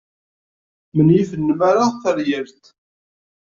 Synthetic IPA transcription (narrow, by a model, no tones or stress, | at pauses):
mənjifənːəmaɾaθəɾjəɾt̪